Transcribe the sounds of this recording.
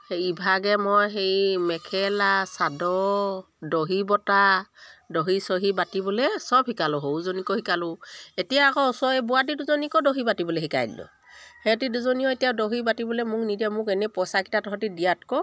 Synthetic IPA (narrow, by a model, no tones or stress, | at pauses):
heibʱaɡɛmɔjɦejmɛkʰɛlasadɔ | doɦibɔtadoɦisoɦibatibɔlɛsɔb̚hikalʊɦowzonikɔhikalʊetijaːkɔɔsɔbɔat̬iduzɔnikɔdoɦibatibɔlɛɦika̰jlɔ̰ | hɛtiduzɔnijɔetijadoɦibatibɔlɛmʊknidɛmʊkɛnɛpɔsaki̥tatɔɦɔtidijatkɔ